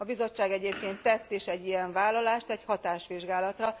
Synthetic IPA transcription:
ɒbizo̞t͡ʃːaːɡɛɟeːp̚keːnt̪ːɛt̪ːiʃɛɟːijɛɱvaːlːɒlaːʃt̪ɛchɒt̪aːʃʋiʒɡaːlɒt̪rɒ

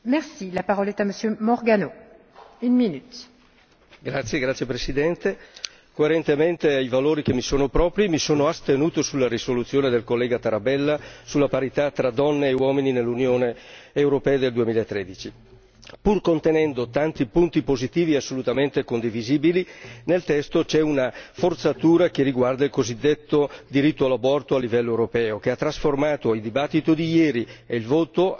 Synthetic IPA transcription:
mɛʁsilapaʁɔlɛt̪aməsjømɔʁɡano | ynminyt̪ | ɡɾat̪sːjeɡɾat̪sːjepɾesid̪ɛnt̪e | koeɾent̪ement̪eajvaloːɾik̟emːisoːnopɾɔːpɾimisoːnoast̪enuːt̪osulːaɾisolut̪sːjoːned̪elkolːɛːɡat̪aɾabɛlːasulːapaɾit̪at̪ɾad̪ɔnːeːwɔːmininelːunjoːneːwɾopɛːad̪eld̪uemiːlaet̪ːɾɛːd̪it͡ʃi | purkont̪enɛnd̪ot̪ant̪ipunt̪ipozit̪iːviasːolut̪ament̪ekond̪iviziːbilinelt̪ɛst̪ot͡ʃɛunafort̪sat̪uːɾak̟eriɡward̪ailkozid̪ːet̪ːod̪iɾit̪ːoalabɔrt̪oalːivɛlːoewɾopɛːokeat̪ːɾasformaːt̪oild̪ibat̪ːit̪od̪ijɛːɾieilvoːt̪o

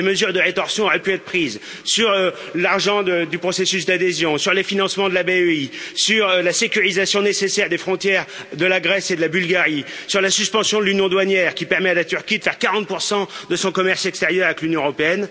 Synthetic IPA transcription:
eməzyʁd̪əʁet̪ɔʁsjɔ̃ɔʁɛpyɛt̪χəpχiːz | syʁ | laʁʒɑ̃d̪əd̪ypχɔsesys̬d̪ad̪ezjɔ̃syʁlefinɑ̃smɑ̃d̪əlabeøisyʁlasekʲyʁizasjɔ̃nesesɛʁd̪efχɔ̃t̪jɛʁ | d̪əlaɡʁɛsed̪əlabylɡaʁisyʁlasyspɑ̃sjɔ̃d̪əlynjɔ̃d̪wanjɛʁkʲipɛʁmɛalat̪yʁkʲid̪əfɛʁkaʁɑ̃t̪̚puʁsɑ̃d̪əsɔ̃kɔmɛʁsɛkst̪eʁjœʁavɛklynjɔ̃əʁɔpeɛn

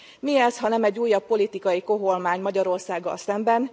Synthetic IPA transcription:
miɛsɦɒnɛmɛɟːuːjːɒpːo̞lit̪ikɒjiko̞ɦo̞lmaːɲmɒɟɒɾo̞rsaːɡːɒ̰lsɛmbɛn

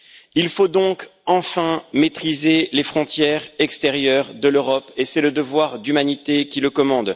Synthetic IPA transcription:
ilfod̪ɔ̃kɑ̃fɛ̃met̪χizelefχɔ̃t̪jɛʁɛkst̪ɛʁjœʁd̪əløʁɔpesɛləd̪əvwaʁd̪ymanit̪ekʲiləkɔmɑ̃d̪

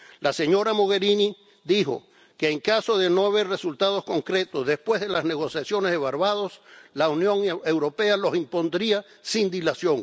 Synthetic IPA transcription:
lase̞ɲo̞ɾamoɣe̞ɾini | ðixo̞̰ | keːŋkaso̞ðe̞noaβe̞ɾre̞sult̪aðo̞sko̞ŋkɾe̞t̪o̞zðe̞spwe̞zðe̞lazne̞ɣ̞o̞sjasjo̞neðeβaɾβað̞o̞slaunjõ̞ŋe̞wɾo̞pe̞alo̞simpo̞nd̪ɾia | sind̪ilasjo̞ŋ

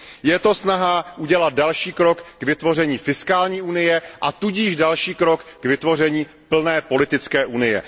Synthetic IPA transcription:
jɛt̪o̞snaɦaʔuɟɛlat̪̚dalʃiːkɾo̞kːvɪt̪vo̞r̝ɛɲiːfɪskaːlɲiːʔunɪjɛʔat̪uɟiːʒdalʃiːkɾo̞kɡvɪt̪vo̞r̝ɛɲiː | pl̩nɛːpo̞lɪt̪ɪt͡skɛːʔunɪjɛ̰

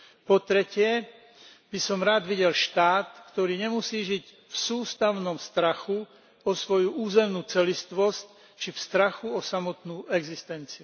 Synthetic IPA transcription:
pɔt̪ɾɛcɪɛ | bisɔmɾaːd̪ʋiɟɛlʃt̪aːt̪kt̪ɔɾiːɲɛmusiːʒiɟ | fsuːst̪aʊnɔmst̪ɾaxu | ɔsʋɔjuʔuːzɛmnuːt͡sɛlist̪ʋɔsc | t͡ʃifst̪ɾaxuɔsamɔt̪nuːʔɛɡzist̪ɛnt͡siu

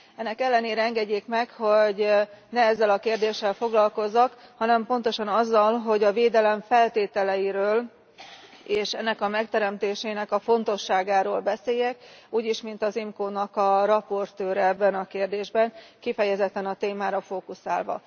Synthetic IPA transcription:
ɛnːɛkɛlːɛneːɾɛɛŋɡɛɟːeːkmɛkho̞ɟnɛɛzːɛlɒkeːrd̪eːʃːɛlfo̞ɡlɒlko̞zːɒkhɒnɛmpo̞nt̪o̞ʃɒnɒzːɒlɦo̞ɟɒveːd̪ɛlɛɱfɛlt̪eːt̪ɛlɛjiɾøːl | eːʃɛnːɛkɒmɛkt̪ɛɾɛmt̪eːʃɛːnɛkɒfo̞nt̪o̞ʃːaːɡaːɾoːlbɛseːjɛkuːɟiʃmint̪ɒzimkoːnɒkɒrɒpo̞rt̪øːɾɛɛbːɛnɒkeːrd̪eːʒbɛnkifɛjɛzɛt̪ːɛnɒt̪eːmaːɾɒfoːkusa̰ːlvɒ̰

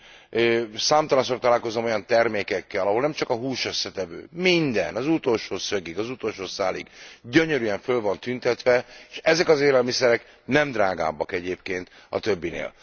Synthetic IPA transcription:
øːsaːmt̪ɒlɒnsoːrt̪ɒlaːlko̞zomo̞jɒnt̪ɛrmeːkɛkːɛlɒɦo̞lnɛmt͡ʃɒkɒɦuːʃø̞sːɛt̪ɛvø̰ːmind̪ɛ̰nɒzut̪o̞lʃoːsø̞ɡiɡɒzut̪o̞lʃoːsaːliɡɟøɲøɾyɛɱfølvɒnt̪ynt̪ɛt̪ʋɛeʃɛzɛkɒzeːlɛlmisɛɾɛk | nɛmd̪raːɡa̰ːbːɒkɛɟeːpkeːnt̪ | ɒ̰t̪ø̞bːinḛːl

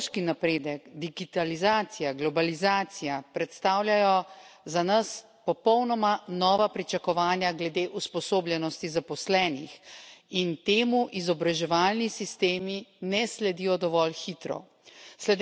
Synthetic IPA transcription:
ʃkinapɾeːd̪əkd̪iɡit̪alizaːt̪sijaɡlɔbalizaːt̪sijapɾɛt̪st̪aːwlʲjajɔzanɐs | pɔpɔwnɔmanɔːʋapɾit͡ʃakɔʋaːnjaɡlɛd̪eːʔuspɔsoːblʲjɛnɔst̪izapɔslɛːnixint̪eːmuʔizɔbɾaʒɛʋaːlnisist̪eːminɛslɛd̪ijɔd̪ɔʋɔlxit̪ɾɔ̰ | slɛd̪

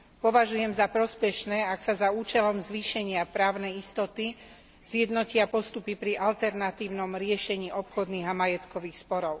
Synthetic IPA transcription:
pɔʋaʒujɛmzapɾɔspɛʃnɛːaksazauːt͡ʃɛlɔmzʋiːʃɛɲɪapɾaːʊnɛjist̪ɔt̪i | z̥jɛd̪nɔcɪapɔst̪upipɾiʔalt̪ɛɾnat̪iːʊnɔmɾɪɛʃɛɲiːʔɔpxɔd̪niːɣamajɛt̪kɔʋiːxspɔɾɔʊ

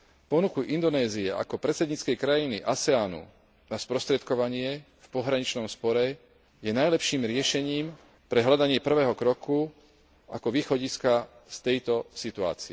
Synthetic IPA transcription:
pɔnukuʔind̪ɔnɛːziɛʔa̰kɔpɾɛt̪t͡sɛd̪ɲit͡skɛjkɾajinḭʔasɛaːnṵ | naspɾɔst̪ɾɛt̪kɔʋaɲɪɛ | fpɔɦɾaɲit͡ʃnɔmspɔɾɛ | jɛnajlɛpʃiːmɾɪɛʃɛɲiːm | pɾɛɦlad̪aɲɪɛpr̩ʋɛːɦɔkɾɔku | akɔʋiːxɔɟiska | st̪ɛjt̪ɔsit̪ua̰ːt͡siɛ

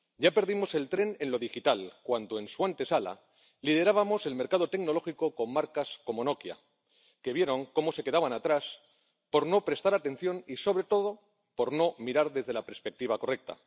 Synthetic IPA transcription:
ɟ͡ʝape̞ɾðimo̞se̞lt̪ɾe̞ne̞nlo̞ð̞ixit̪alkwand̪oe̞nsuant̪esala̰ | lið̞e̞ɾaβamo̞se̞lme̞ɾkað̞ot̪e̞kno̞lo̞xiko̞ko̞mmaɾkasko̞mo̞no̞kja̰ | ke̞βje̞ɾo̞ŋko̞mo̞se̞ke̞aβanat̪ɾas | po̞ɾno̞pɾe̞st̪aɾat̪ẽ̞n̟θjo̞niso̞β̞ɾe̞t̪o̞ð̞o̞ | po̞ɾno̞miɾaɾðe̞zð̞e̞lape̞ɾspe̞k̚t̪iβ̞ako̞re̞k̚t̪a̰

